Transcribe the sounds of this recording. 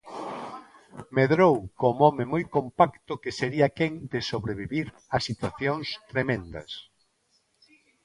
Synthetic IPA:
meðɾowkomɔmɪmojkompakt̪ʊkɪseɾiɐkɛŋd̪ɪsoβɾeβiβiɾ | ɐsit̪waθjoŋst̪ɾemẽnd̪ɐ̰s

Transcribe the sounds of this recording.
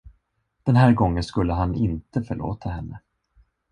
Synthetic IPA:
d̪̥ɛnɦæːɾɡɔŋːənskɵlːəɦanɪnt̪əfœɭo̰ːt̪ʰaɦɛnːə

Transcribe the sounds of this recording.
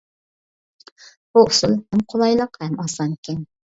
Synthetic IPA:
b̥uʊsɨlˠhɛmqʰolˠɑjlˠəqhɛmɑsɑnkʲɛn

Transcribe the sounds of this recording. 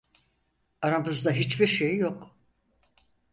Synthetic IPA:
aɾabɯzd̪aɦit͡ʃbiɾʃejjok

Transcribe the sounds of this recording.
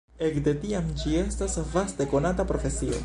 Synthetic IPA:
ɛk̚d̪et̪iamt͡ʃiɛst̪asvast̪ekonat̪apɾofesio̰

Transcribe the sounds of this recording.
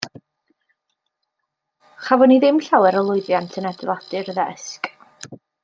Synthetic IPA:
χavɔniðɪmɬawɛɾəlˠʊɨðjantʰənɛdɪlˠadɨɾəðɛsk

